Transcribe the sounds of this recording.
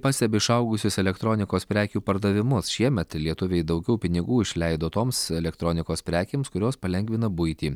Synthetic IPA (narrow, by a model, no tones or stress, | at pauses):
pɑːsʲt̪ʲɛbʲɪɪʃɐʊɡʊsʲʊsɛlʲɛkt̪ɾoːnʲɪkoːspʲɾʲæːkʲuːpɐɾd̪ɐʋʲɪmʊsʃʲiɛmʲɛt̪lʲiɛt̪ʊʋʲejd̪ɐʊɡʲɛʊpʲɪnʲɪɡuːɪʃʲlʲɛɪd̪oːt̪oːmsɛlʲɛkt̪ɾoːnʲɪkoːspʲɾʲæːkʲeːmskʊɾʲoːspɐlʲɛŋʲɡʲʋʲɪnɐbʊɪt̪ʲiː